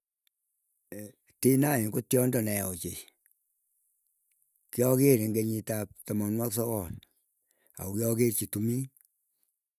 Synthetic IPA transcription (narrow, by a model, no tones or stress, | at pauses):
tinaiŋkotjɔndɔnɛɔt͡ʃe | kjɔkeɾeŋɡeɲitap̚tɔmɔnwaksɔkɔl | a̰ukjɔkert͡ʃitumi